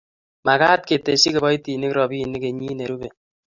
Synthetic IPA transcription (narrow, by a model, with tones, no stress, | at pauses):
ma˨ka˦t̚ke˨te˨si˦kɪ˨bɔ˦i˦ti˨ni˦kɾɔ˨bi˦˨ni˦ke˨ɲi˦ne˨ɾu˦be˨